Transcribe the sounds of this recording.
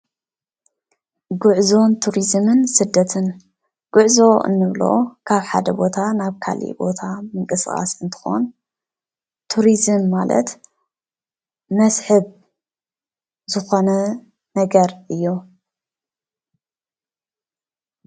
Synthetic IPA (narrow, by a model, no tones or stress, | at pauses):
ɡʊʕzo̞nt̪ʰuɾizmɨnsɨd̪ːɐt̪ʰɨn | ɡ̥ʊʕzo̞ɨ̰nːɨβlo̰kʰaβħa̰d̪ɐbo̞t̪ʰanaβkʰa̰lḭbo̞t̪ʰamɨŋkʼɨskʼa̰sɨnt̪ʰɨ̥xo̞̰n | t̪ʰuɾizɨmːalɐ̰t̪ | mɐsħɨβ | zɨxo̞nɐ | nɐɡɐɾʔɨjːo